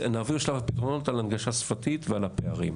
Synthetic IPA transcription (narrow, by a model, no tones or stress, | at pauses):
naːviʁʃlavapitʁo̞no̞talanɡaʃasfatitvealapeaʁḭm